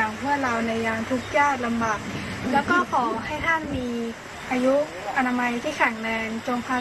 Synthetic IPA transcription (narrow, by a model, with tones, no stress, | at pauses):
a˨˩ŋpʰɯ˥˩əɾa˧wna˧jːaː˧ŋt̪ʰu˦˥k̚jaː˥˩t̚la˧mbaː˨˩k̪̚lɛː˦˥wkɔː˥˩kʰɔː˩˦ɦa˥˩jt̪ʰa˥˩˨nmiː˧ | ʔaː˧ju˦˥ | ʔa˧naː˧ma˧jt̪ʰiː˥˩kʰɛ˨˩˦ŋnɛː˧ŋt͡ɕo˧mpʰa˦˥